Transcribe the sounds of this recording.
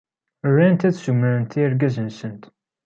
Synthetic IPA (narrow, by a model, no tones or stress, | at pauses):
ərːænt̪æðsuməɾənt̪ʰiɾɡæzənsənt̪